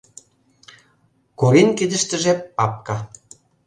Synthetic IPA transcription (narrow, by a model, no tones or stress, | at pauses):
kuɾinkid̪ə̆ʃt̪ə̆ʒĕpɑp̚kɑ